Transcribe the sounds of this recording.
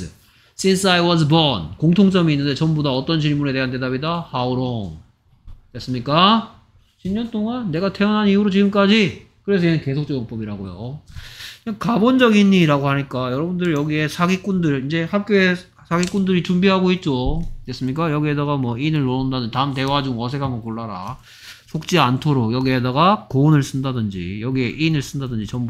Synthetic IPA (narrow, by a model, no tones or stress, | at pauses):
s͈ʰins͈aiwʌs̬ʰbʌnkoŋtʰoŋs͈ʌmiːnːɯnde̞t͡ɕʌmbodaʌt͈ʌnt͡ɕiɭmune̞te̞ɦante̞dabidahaoɾoŋ | tes͈ɯmɲik͈a | ɕʰimɲʌnt͈oŋanːe̞ɡatʰe̞ʌnɦaniuɾot͡ɕiɡɯmk͈ad͡ʑi | kɯɾe̞sʰʌenɯnke̞sʰok̚t͡ɕ͈ʌɡjʌŋp͈ʌbiɾaɡo̰jo̰ | akabond͡ʑʌɡinːiɾaɡohaɲik͈ajʌɾʌbundɯɾɭjʌɡie̞sʰaɡik͈undɯɭind͡ʑe̞hap̚k͈joe | sʰaɡik͈undɯɾit͡ɕumbiɦaɡoit̚t͡ɕ͈okes͈ɯmɲik͈ajʌɡiɦe̞daɡamwʌinɯɭːonndadɯnɲd͡ʑitamte̞wad͡ʑuŋʌs̬ʰe̞ɡɦanɡʌkoɭːaɾa̰ | sʰok̚t͡ɕ͈iantʰoɾokjʌɡiedaɡakonɯɭs͈ɯndadɯnd͡ʑḭjʌɡie̞ʔinɯɭs͈ɯndadɯnɲd͡ʑit͡ɕʌm